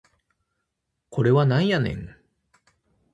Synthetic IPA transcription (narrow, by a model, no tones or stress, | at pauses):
kʰo̞ɾe̞βanãĩjanḛ̃ŋ